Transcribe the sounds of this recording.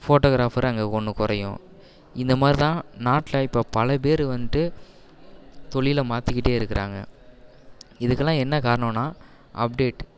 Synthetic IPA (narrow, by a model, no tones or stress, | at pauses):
foːʈoːɡɾaːfɐɾɐŋɡeːkɔɳːɯkʊɾɐjʊ̰̃ | ɪnd̪ɐmaːd̪ɾit̪ãːnaːʈlɐɪpːoːpɐlɐp̬eːɾɯʋɐnʈ̪ːɯ | t̪ɔɭɪjɪlmaːt̪ɪkːɪʈːeːɪɾɯkːɪɾʔa̰ːŋɡɐ̰ | ɪðɯkːɐlːãːɛnːɐkaːɾɐɳɐ̃nːaː | ʔɐp̚ɖeːʈ